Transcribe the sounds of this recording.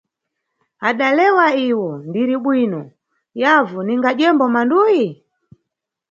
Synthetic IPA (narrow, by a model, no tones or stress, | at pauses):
aɗalɛwaiwɔndiɾiɓwinɔ | javuniŋɡaʄɛmbɔmanduji